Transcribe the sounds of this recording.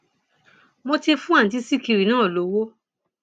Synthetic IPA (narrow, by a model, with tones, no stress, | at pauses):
mõ˧te˧fũ˦a˦˨t̬i˧˦si˦˨ki˧ɾi˨nãː˦˨lo˨˦wo˦